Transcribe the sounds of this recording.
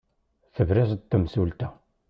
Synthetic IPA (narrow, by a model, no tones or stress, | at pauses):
θəvɾæst̪ːəmsult̪æ